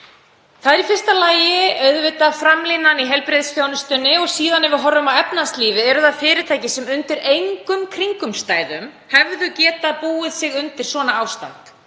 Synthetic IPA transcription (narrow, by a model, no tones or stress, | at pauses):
θaðɪɾifɪr̥st̪alaːjɪœɥðvɪt̪afɾamliːnːaniɦɛlpɾeðsfjownʏst̪ʏnːɪɔɣsiːðanːɪvɪɦɔrːʏmawɛpnast̪liːvɪɛɾʏθaðfɪːɾɪt̪ʰaːjcɪsɛmʏnt̪ɪɾejŋkʏmkʰɾiŋkʏmst̪aːjðʏm | hɛvðʏcɛːt̪apuːɪðsɪɣʏnt̪ɪ̥sɔːnaaːwst̪a̰k̪